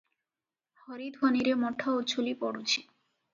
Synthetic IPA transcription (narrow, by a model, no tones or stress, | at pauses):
hɔɾid̪bʱoniɾemɔʈʰːaot͡ɕʰulipɔɽot͡ɕʰi̥